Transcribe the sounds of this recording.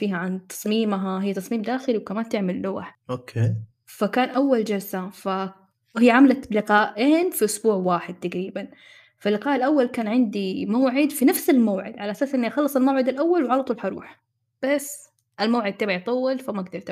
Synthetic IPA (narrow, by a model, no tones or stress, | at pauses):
fiːhaʕant̪ɑ̥sˤmiːmɦaɦɪjːat̪ɑsˤmiːmd̪aːxɪliwkamaːnt̪ɪʕmɪlːʊɣaħʔokʰeː | fakaːnʔawːald͡ʒalsafa | hijːʕamlablɪqɑːʔʔeːnfiʔʊsbuːʕwaːħɪd̪̚t̪aɡɾiːban | falːɪqɑːʔɪlʔawːalkaːnʕɪnd̪imaːʕɪd̪finafsɪlmaːʕɪ̰d̪ʕalaʔasaːsʔɪnːiʔaxɑlːɨsˤɪlmawʕɪd̪ɪlʔawːalwʕɑlɑt̪ˤuːlħɑɾˤṵːħ | b̥as | ʔɪlmaːʕɪd̪̚t̪ɪbʕajt̪ˤɑwːɪlfamaɡ̚d̪ɑɾˤt̪ɪ